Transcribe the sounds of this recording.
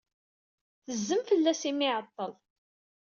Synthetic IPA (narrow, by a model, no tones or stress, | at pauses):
θəzːəmfəlːæsimɪʕət̪ˤːəlˤ